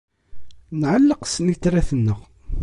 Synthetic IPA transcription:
nʕəlːəqsnit͡sːɾæθənːəʁ

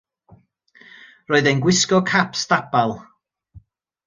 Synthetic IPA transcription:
rɔːɨðejnɡwɪskɔkʰapstapalˠ

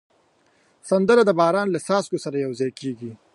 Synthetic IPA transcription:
sand̪əɾad̪əbɑːɾɑːnlasɑːskosaɾajawzɑjkeːɡi

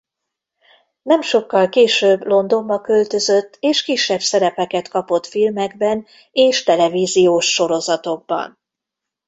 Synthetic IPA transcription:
nɛmʃo̞kːɒlkeːʃøːblo̞nd̪o̞mbɒkølt̪ø̞zøt̪ːeːʃkiʃːɛbsɛɾɛpɛkɛt̪kɒpo̞t̪filmɛɡbɛn | eːʃt̪ɛlɛviːzijoːʃːo̞ɾo̞zɒt̪o̞ɡ̚bɒ̰n

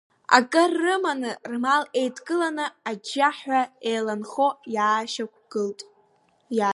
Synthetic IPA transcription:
a̰kʼɨrːɨmanɨrmale̞jdʰɡʼɨlanɨad͡ʒaħaejlanχo̞jaːʃak̚ʷʰɡ̥ɨltʼ | ja

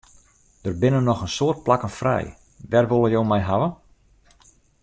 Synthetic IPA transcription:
d̥ərbɪnənːɔxənsoərt̚plakənfrɛ̰j | ʋɛrʋolˠəjoːmɛjɦaʋə

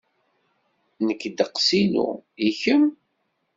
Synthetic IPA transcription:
nəkːd̪əqsinṵiçəm

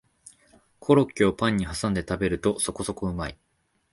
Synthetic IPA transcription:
kʰo̞ɾo̞kʲːiopãɲ̟ːiɦasãnd̪e̞t̪abe̞ɾɯ̟t̪o̞so̞ko̞so̞koɯ̟mai

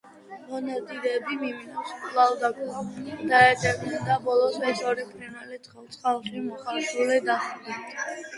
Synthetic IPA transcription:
mɔnad̪id̪ɛbimiminaskʼlald̪akʼuad̪̥aɛt̪ʼɛb̪ɛd̪abɔlˠɔsɛsʰɔɾipʰʼɾinalit̪sχɛlˠt̪sʰʼχalˠʃimɔχaɾʃulɛd̪aχd̪ɛt̪ʰ

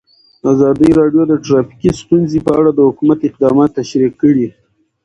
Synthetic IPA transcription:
azɑd̪əjɾɑɖjod̪əʈɾɑfi̥kist̪unzipəaɽad̪əhʊkumat̪ɪq̚d̪ɑmɑt̪ːaʃɾiqːəɽi

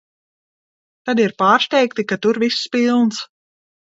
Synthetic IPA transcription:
t̪ad̪iɾpaːɾst̪ʲɛjkt̪ikat̪uɾvispilˠns

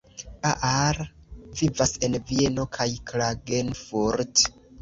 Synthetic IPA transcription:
aʔaɾvivase̞nvie̞no̞kʰajklaɡenfuɾt

